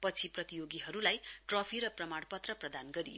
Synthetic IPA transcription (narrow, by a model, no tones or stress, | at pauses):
pʌt͡sʰiprʌt̪ijoɡiɦʌɾulajʈrʌpʰiɾʌprʌmaɽpʌt̪rʌprʌd̪anɡʌɾḭ